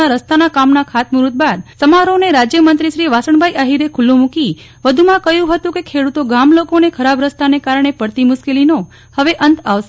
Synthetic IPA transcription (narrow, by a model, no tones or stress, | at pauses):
aɾəst̪anakamnakʰat̪muɾut̪̚bad̪səmaɾoneɾad͡ʒjəmənt̪ɾiʃɾiʋasəɳbʱajʔaɦiɾekʰulːomũki | ʋəd̪ʱumãkəjũɦət̪ũkekʰeɽut̪oɡamlokonekʰəɾabɾəst̪anekaɾɳ̃epəɾt̪imʊʃkelino | həʋeʔənt̪aʋʃ